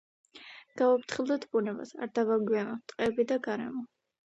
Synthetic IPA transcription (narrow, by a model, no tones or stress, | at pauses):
ɡ̥aɔpʰt̪ʰχilˠd̪at̪ʰb̥unɛba̰sa̰ɾd̪avaɡianat̪ʼqʼɛbid̪aɡaɾɛ̰mɔ